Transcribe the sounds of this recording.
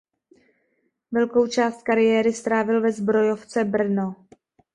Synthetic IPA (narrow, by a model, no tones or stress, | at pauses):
vɛlko̞wt͡ʃaːst̪kaɾɪjɛːɾɪst̪ɾaːvɪlvɛzbɾo̞jo̞ft͡sɛbr̩no